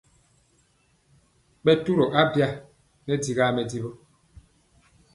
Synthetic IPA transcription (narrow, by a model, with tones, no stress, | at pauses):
ɓɛ˦tu˦ɾɔ˨ʔa˦bja˦ | nɛ˦di˨ɣaː˦mɛ˨di˦bɔ˦